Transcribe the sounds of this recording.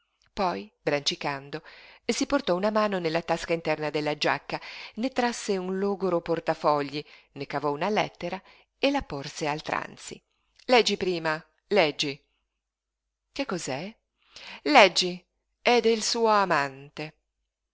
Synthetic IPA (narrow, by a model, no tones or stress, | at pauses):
pɔjbɾant͡ʃikand̪oesiport̪ɔunamaːnonelːat̪askaint̪ɛrnad̪elːad͡ʒa̰kːanet̪ɾasːeunloːɡoɾoport̪afɔʎːi | nekavɔunalɛ̰t̪ːeɾa | elaporsealt̪ɾa̰nt̪sḭ | lɛd͡ʒːipɾiːma | lɛd͡ʒːi | kekːɔzɛ | lɛd͡ʒːi | ɛd̪eilsuːoamant̪e